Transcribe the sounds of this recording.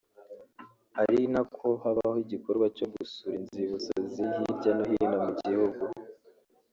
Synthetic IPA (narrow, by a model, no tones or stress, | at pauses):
haɾinakʰohaβahoiɟikoɾɡwacoɡusuɾinziβuso̰zijiɾɟanohiinamuɟihuɡu